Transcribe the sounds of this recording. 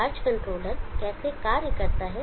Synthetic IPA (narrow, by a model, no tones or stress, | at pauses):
aːɾd͡ʒkə̃ɳʈɾoːləɾkɛːsekaːɾjəkəɾt̪aɦɛ